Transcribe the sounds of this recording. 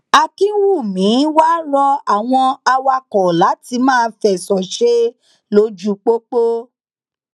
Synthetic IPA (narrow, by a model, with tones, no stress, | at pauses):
a˧ki˦wu˦˨mĩ˨˦wa˦ɾɔ˧a˨w̃ɔ̃˧a˧wa˧kɔ˨la˨˦ti˧˦mãː˦˨˧fɛ˨sɔ˨ʃe˦ | lo˧˦d͡ʒu˧˦k͡po˦k͡po˦